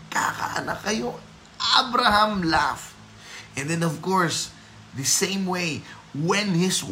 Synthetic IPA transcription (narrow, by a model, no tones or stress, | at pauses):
ka̰ka̰ʔɐ̰nakɐjo | ʔabɾahãmlaf | ʔɛ̃nd̪ɛ̃nɔvkɔɹs | ðɐsẽɪmwej | wɛ̃nhɪs